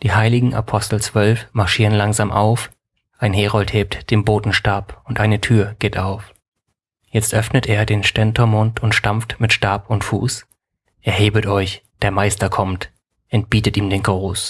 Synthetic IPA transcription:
d̥iːhaɪlɪɡŋ̩ʔa̰pʰɔstl̩t͡sv̥œlfmaɐʃiːʁənlaŋzaːmʔaʊf | ʔaɪnɦeːʁɔltheːp̚td̥eːnboːtn̩ʃtaɐpʊntʔaɪnətʰyːɐɡ̥eːtʔaʊf | jɛt͡stʔœfnətʔeːɐdeːnʃtɛntʰɐmʊntʰʊntʃtamftmɪtʃtaɐpʊntfuːs | ʔɛɐɦeːbətʔɔʏçd̥eːɐmaɪstɐkʰɔmt | ʔɛntb̥iːtətiːmdeːnɡʁoːs

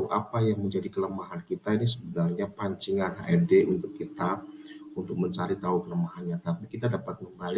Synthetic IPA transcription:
uʔa̰pajaŋməɲd͡ʒadikələmaɦankit̪ainisəbənarɲapaɲt͡ʃiŋanɦa̰ʔɛdeʔunt̪ʊkːit̪aunt̪ʊk̚məɲt͡ʃaɾit̪aukələmaɦanɲat̪apikit̪adapat̪̚məmbali

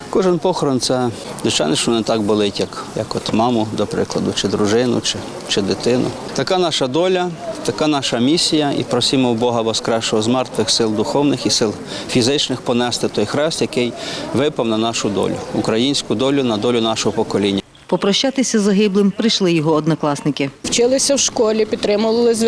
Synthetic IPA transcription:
kɔʒɪnpɔxɔɾɔnt̪sɛ | d̪ʊt͡ʃɑ̰nɪʃt͡ʃɔnɪt̪ɑɡ̚bʊlˠɪtʲjɐkjɐ̰kɔt̪mɑmʊd̪ɔpɾɪ̰klˠɐd̪ʊt͡ʃɪd̪ɾʊʒɪnʊt͡ʃɪ | t͡ʃɪd̪ɪt̪ɪnʊ̰ | t̪ɐkɑnɑʃɐd̪ɔlʲɐt̪ɐkɑnɑʃɐmʲisʲijɐḭpɾɔsʲimɔwbɔɦɐbɔskɾɛʃt͡ʃɔɦɔzmɛrt̪ʋɪxsɪlˠd̪ʊxɔwnɪxisɪlˠfʲizɪt͡ʃnɪxpɔnɛst̪ɪt̪ɔjxɾɛst̪jɐkɪjʋɪpɐwnɐnɑʃʊd̪ɔ̰lʲʊ̰ʊkɾɐjinʲsʲkʊd̪ɔlʲʊnɐd̪ɔlʲʊnɑʃɔɦɔpɔkɔlʲinʲːɐ | pɔpɾɔʃt͡ʃat̪ɪsʲɐzɐɦɪblˠɪmpɾɪjʃlˠɪjɔɦɔːd̪nɐklˠɑsnɪkɪwt͡ʃɪlˠɪsʲɐwʃkɔlʲipʲid̪̚t̪ːɾɪmʊʋˠɪlˠɪzʲ

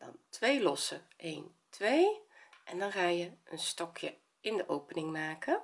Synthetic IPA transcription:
d̥ɑ̰ntʋejlɔsəʔejn | tʋejʔɛndɑnχaːjəənstɔkjə | ɪndəʔowpənɪŋmaːkə

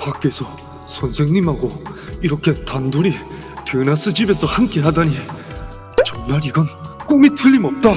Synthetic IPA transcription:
pak͈e̞sʰʌ | sʰʌnsʰe̞ŋɲimɦaɡoiɾʌkʰe̞tandoɾi | tɯnas͈ɯd͡ʑibe̞sʰʌhamk͈e̞ɦadaɲi | t͡ɕʌnmaɾiɡʌnk͈umitʰɯʎːimʌp̚t͈a

